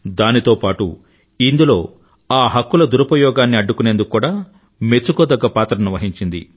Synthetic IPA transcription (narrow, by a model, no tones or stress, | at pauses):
d̪aːnit̪o̞ːpaːʈu | ind̪ulo̞ː | aːɦɐkːulɐd̪uɾɐpɐjɔːɡaːnːiɐɖːukunend̪ukkːuːɽaː | me̞t͡ʃːukoːd̪ɐɡːɐpaːt̪ɾɐniʋɐɦiɲt͡ʃind̪ḭ